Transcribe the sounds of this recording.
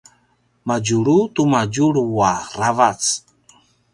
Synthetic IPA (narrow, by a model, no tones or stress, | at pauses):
mad͡ʒuɾutumaɟuɾwaravat͡s